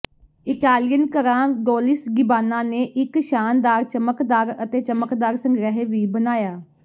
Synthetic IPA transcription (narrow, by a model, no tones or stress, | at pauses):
ɪkaːlɪjənkəɾãːɡoːlɪsɡɪbaːnãːneːʔɪkʃaːnd̪aːɾt͡ʃəməkd̪aːɾət̪eːt͡ʃəməkd̪aːɾsə̃ŋɡɾɛɦeːʋiːbənaːjaː